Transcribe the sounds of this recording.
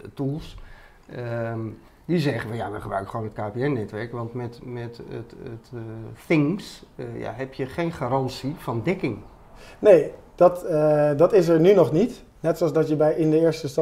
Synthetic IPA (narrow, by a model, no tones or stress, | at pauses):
tulˠs | ə | dizɛχənʋəja̰ʋəχəbrœ̰ɥkəχəʋoːnɦətkaːpeɛnːɛtʋɛɹkʋɑntmɛtmɛttətθɪŋsja̰ɦɛpjəχejnχaɾɑnsifɑndɛkɪŋ | nejd̥ɑtdɑtɪs̬əɹnynɔχnit | nɛtsoɑlˠzdɑtjəbɛjʔɪndəɪːɹstəstɑ